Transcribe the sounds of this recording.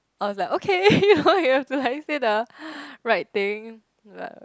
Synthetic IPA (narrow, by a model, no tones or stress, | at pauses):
ʔaɪwɔslaɪkokʰejunojuhɛftulaɪk̚sedəɹaɪt̚t̪ɪ̃ŋ | la̰